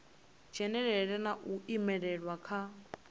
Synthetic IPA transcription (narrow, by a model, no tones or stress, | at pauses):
d͡ʒ̥ʱɛnɛɺɛɺɛnaʔuʔimɛɺɛɺwakʰa